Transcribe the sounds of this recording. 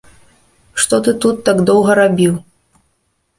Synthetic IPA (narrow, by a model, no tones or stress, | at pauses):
ʂt̪ɔt̪ɨt̪ut̪ːaɡd̪ɔwɣɐɾabʲiw